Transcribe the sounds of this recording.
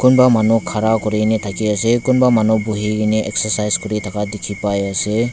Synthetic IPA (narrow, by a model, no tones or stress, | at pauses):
kunbamanukʰaɾakɔɾinit̪ʰakiasekunbamanubuɦiɡiniʔɛksaɾsajzkɔɾitʰakadekʰipajase